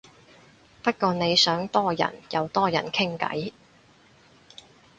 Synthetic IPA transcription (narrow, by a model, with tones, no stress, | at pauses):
pɐ˥t̚kɔː˧ne˨˧jsœː˨˥ŋt̪ɔː˥jɐ̰˨˩njɐ˨˧wt̪ɔː˥jɐ̰˨˩nkʰɪ˥ŋkɐ̰˨˥j